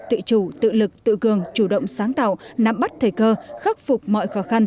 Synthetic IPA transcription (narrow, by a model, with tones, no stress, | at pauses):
t̪ɨ̰˧˨t͡ɕu˧˩t̪ɨ̰˧˨lɨ˨˩k̚t̪ɨ̰˧˨kɨ˨˩əŋt͡ɕu˧˩ɗə̰˧˨wŋ͡msaː˨˦ŋt̪a̰ː˧˨wna˨˩mɓa˦˥t̚t̪ʰəː˨˩jkəː˧xaː˦˥p̚fʊ˨˩k͡p̚mɔ̰˧˨jxɔ˨˦xa˧n